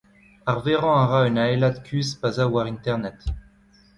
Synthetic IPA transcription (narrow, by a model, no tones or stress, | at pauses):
aʁveʁɑ̃aʁaynaelad̪kʰʲyzpazawaʁĩnt̪ɛʁnɛt̪